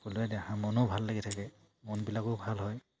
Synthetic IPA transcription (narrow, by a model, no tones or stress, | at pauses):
kuluɛdɛhãmɔnɔbʱalːaɡitʰakɛ | mɔnbilakʊbʱalɦɔj